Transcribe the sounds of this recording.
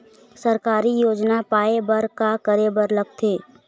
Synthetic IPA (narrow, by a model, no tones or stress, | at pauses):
səɾkaːɾijoːd͡ʒnapaːebəɾkakəɾebəɾləɡt̪ʰeː